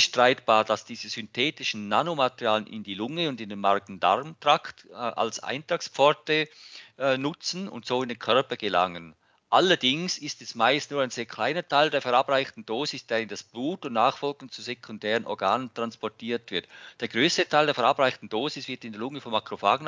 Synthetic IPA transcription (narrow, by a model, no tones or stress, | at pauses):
ʃtʁ̥aɪtb̥aːɐd̥asd̥iːzəzʏntʰɛːtɪʃn̩ːanomatəʁjaːlənʔɪ̰ndiːlʊŋəʊndɪndenmaʁɡn̩da̰ʁmtʁ̥aktːʔa̰lsa̰ɪntʁ̥akspp͡fɔɐtə | nʊt͡sn̩ʊ̰ntsoːɪndenkʰœʁpɐɡ̥əla̰ŋən | ʔalɐdɪŋsɪstɛsmaɪstnuːɐaɪnz̥eːɐkʰl̥aɪnətʰaɪldeːɐfɛɐʁabʁaɪçtn̩d̥oːzɪsd̥eːɪnd̥asb̥luːtʊntnaːχfɔlɡn̩t͡suzekʰʊndɛːʁənʔɔ̰ʁɡaːnəntʁ̥anspɔɐtʰiːɐtv̥ɪɐtd̥eːɐɡʁøːstətʰaɪldeːɐfɛɐabʁaɪçtn̩d̥oːzɪsv̥ɪɐtɪndeɐlʊŋəfɔmʔakʁ̥ofaːɡn̩